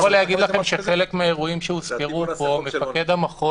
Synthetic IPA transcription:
alejaɡid̪laχe̞mʃeχe̞lekmeaeʁuimʃeuskeʁupo̞mefake̞d̪amaχo

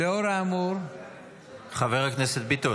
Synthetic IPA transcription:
eoɾaːmuɾ | χaveʁhakneset̪̚bit̪o

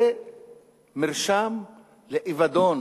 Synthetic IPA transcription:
e | miʁʃam | leʔivad̪on

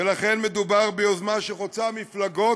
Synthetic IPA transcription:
elaχenmed̪ubaʁbeozmaʃeχot͡samiflaɡo̞

